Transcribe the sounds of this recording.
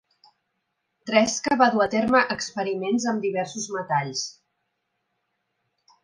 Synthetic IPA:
t̪ɾɛskəβaðuət̪eɾməʔəkspəɾimenzəmd̪iβɛrsuzmət̪aʎs

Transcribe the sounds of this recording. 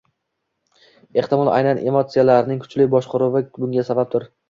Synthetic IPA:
e̞ht̪ɪmɒlˠa̰jnane̞mot̪sijalaɾɪnɪŋkʰʊ̥t͡ʃlɪbɒʃqʰʊɾʊwɪbʊŋɡʲasabap̚t̪ʰʊɾ

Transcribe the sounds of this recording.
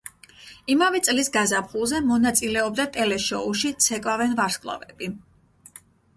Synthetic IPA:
imavɛt̪sʼlisɡazapχulˠzɛmɔnat̪sʼilɛɔb̚d̪at̪ʼɛlɛʃɔuʃit̪sʰɛkʼvavɛnvaɾskʼlˠa̰vɛbi

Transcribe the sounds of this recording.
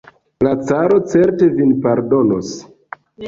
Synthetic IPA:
lat͡saɾo̞t͡seɾte̞vinpaɾdo̞nos

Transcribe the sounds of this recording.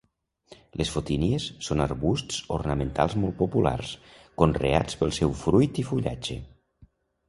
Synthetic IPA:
lesfot̪iniesːonəɾβust̪t͡so̰rnəment̪alˠzmolˠt̪̚popula̰rskonrḛa̰t͡spəlˠsɛwfɾujt̪ifuʎa̰d͡ʒḛ

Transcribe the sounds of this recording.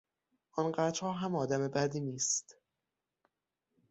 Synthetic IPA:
ʔɒnɢæɾt͡ʃ̪hɒːɦæmɒːd̪æmebæd̪iːniːst̪

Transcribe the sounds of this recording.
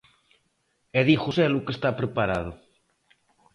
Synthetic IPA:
eðixʊsɛlʊkest̪apɾepaɾað̞ʊ

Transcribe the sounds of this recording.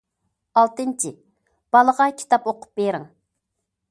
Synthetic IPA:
ɑlˠt̪ɨnt͡ʃʰi | b̥ɑlˠəʁɑkʲʰi̥t̪ʰɑpoqʰʊ̥p̚beɾɪŋ

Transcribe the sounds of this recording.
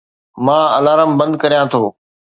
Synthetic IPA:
mãːɐlaːɾəmbə̃ɐ̃nd̪̚kɐɾijãːt̪ʰoː

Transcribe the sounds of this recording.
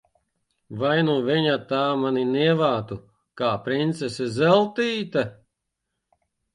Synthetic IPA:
vajnuviɲat̪aːmaniniɛvaːt̪u | kaːpɾint̪sesɛzɛlˠt̪iːt̪a

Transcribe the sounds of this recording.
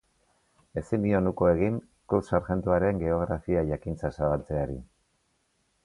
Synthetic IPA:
e̞sind̪io̞nukoe̞ɣiŋ | kuwsaɾxe̞nt̪uaɾe̞ŋɡe̞o̞ɣɾafiaʝakint͡sasaβalt͡se̞aɾi

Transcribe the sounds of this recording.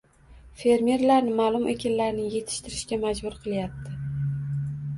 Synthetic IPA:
fe̞ɾmeɾlaɾnɪmaːlˠʊmʔe̞kʲanlaɾnɪŋje̞t̪ʰɪ̥ʃt̪ɪɾɪʃkʲamad͡ʒbʊɾqʰɨlˠjap̚t̪ʰɪ

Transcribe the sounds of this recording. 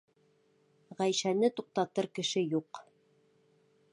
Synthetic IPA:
ʁæjʃænɘt̪uq̚t̪ɑt̪ɤɾkɘ̆ʃɘjuq

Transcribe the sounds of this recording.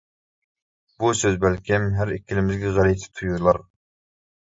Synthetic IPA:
b̥usøzbælkʲʰɪmɦæɾɪkʲʰːilɪmɪzɡʲɛʁæɾit̪ʰɪ̥t̪ʰujulˠɑɾ

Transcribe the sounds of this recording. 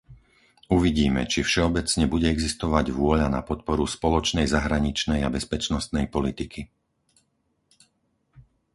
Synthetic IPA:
uʋiɟiːmɛ̰t͡ʃifʃɛɔbɛt͡sɲɛbuɟɛɛɡzist̪ɔʋaɟʋʊɔʎanapɔt̪̚pɔɾuspɔlɔt͡ʃnɛjzaɦɾaɲit͡ʃnɛjabɛspɛt͡ʃnɔst̪nɛjpɔlit̪ikʰi

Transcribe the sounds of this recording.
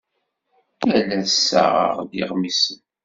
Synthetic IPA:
ælæsːə̰ʁə̰ʁðḭʁmisən

